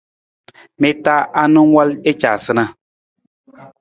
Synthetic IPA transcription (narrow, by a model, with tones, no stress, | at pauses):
me˦ta˦a˦nɨ˦ŋ˦wa˦le˦t͡ʃa̰˨sɨ˦na˦